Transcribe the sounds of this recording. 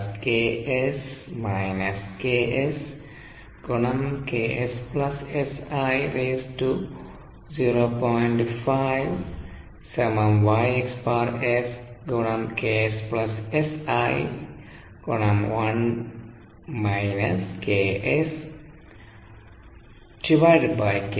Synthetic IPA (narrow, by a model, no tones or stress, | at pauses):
skeesmajnɐskeʔes | ɡ̥ɔnamkeʔesplɐsesajɾesʈu | ziɾopɔjnʈfajʋ | semãmʋajekspaɾesɡɔnɐmkeesplɐsesaj | ɡ̥onɐmwan | majnɐskeʔes | ʈiʋajɖbajk